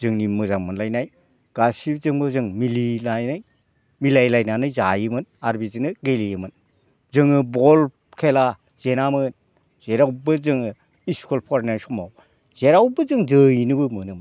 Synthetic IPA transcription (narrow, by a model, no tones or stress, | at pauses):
zɯŋnimɯzaŋmɯnlajnaj | ɡ̥asibzɯŋbɯzɯŋmilinajnaj | milajlajnanɯjzajɯmɯnaɾbizinɯɡelijɯmɯn | zɯŋɯbɔl | kʰela | z̥enamɯn | z̥eɾawbɯzɯŋɯ | iskʰolpʰɔɾnajsɔmaw | z̥eɾawbɯzɯŋzɯjnɯbɯmɯnɯm